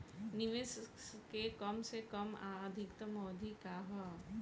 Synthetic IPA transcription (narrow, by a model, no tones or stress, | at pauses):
nɪʋeskekɐmsekɐmaːd̪ʱɪkt̪əmɔːd̪ʱikaːɦɐ